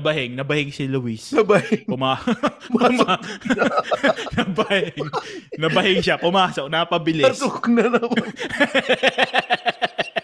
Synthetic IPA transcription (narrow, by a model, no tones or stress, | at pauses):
ɐbɐhɪŋnɐbɐhɪŋsɪlʊwisnɐbɐhɪŋpʊmaːpm | nɐbɐhɪŋnɐbɐhɪŋʃapʊmaːsok̚nɐpɐbɪlɪsʊknɐnɐm